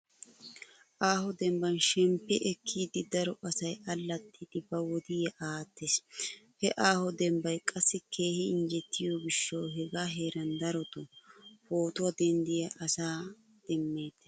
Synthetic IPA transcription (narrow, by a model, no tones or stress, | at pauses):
ʔaːhɔd̪ɛmbɐnʃɛmpːɛʔɛkʰːiːd̪ɪd̪ɐɾɔʔɐsɐjɐlːɐt̪ʰːɪd̪̥ɪbɐwɔd̪ɪjɐʔaːt̪ːes | hɛʔaːhɔd̪ɛmbɐjkʼɐsːɪkʰe̞ːhɪɪnd͡ʒɛt̪ʰːɪjoɡɪʃːowɦɛɡaːɦeːɾɐnd̪ɐɾɔt̪ʊfoːt̪ʊɐd̪ɛnd̪ɪjɐʔɐsaː | d̪̥ɛmːe̞ːt̪ː